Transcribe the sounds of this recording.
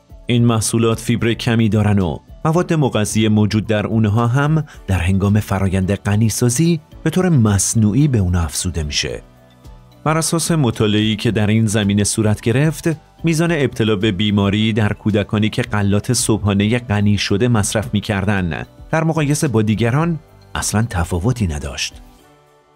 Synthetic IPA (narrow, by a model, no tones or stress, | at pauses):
iːnmæhsuːlɒːt̪ʰfibɾecʰæmiːd̪ɒːɾæno̰mævɒːd̪ːe̞moɣæzije̞mod͡ʒuːd̪̚ːæɾuːnɦɒːɦæmd̪̥æɾɦe̞ŋɡɒːme̞fæɾʔɒːjænd̪e̞ɢæniːsɒːziːb̥e̞t̪ʰoːɾemæsnuːʔiːbe̞uːnæfz̥uːd̪e̞miːʃe̞̰ | b̥æɾæsɒːse̞mot̪ʰɒːleeiːcʰe̞d̪æɾiːnzæmiːne̞suːɾæt̪ʰɟ̥e̞ɾe̞ft̪ | miːzɒːne̞ːb̥̚t̪ʰe̞lɒːbe̞biːmɒːɾiːd̪æɾkʰuːd̪ækʰɒːniːcʰe̞ɢælːɒːt̪ʰe̞sob̥ɦɒːne̞je̞ɢæniːʃo̞d̪e̞mæsɾæfmiːcʰæɾd̪ænd̪̥æɾmoɣɒːje̞se̞bɒːd̪iːɟæɾɒːn | ʔæ̰slænt̪ʰæfɒːvo̞t̪ʰiːnæd̪ɒ̰ːʃt̪